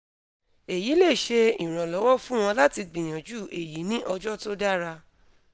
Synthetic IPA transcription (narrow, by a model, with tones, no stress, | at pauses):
e˨ji˨˦le˦˨ʃe˧ĩ˨ɾ̃ɔ̃˨lɔ˨˦wɔ˦fũ˦w̃ɔ̃˧la˦ti˧ɡ͡bĩ˨j̃ã˨d͡ʒuː˦˨e˨ji˨˦nĩ˦ʔɔ˧d͡ʒɔ˦to˦da˦ɾa˧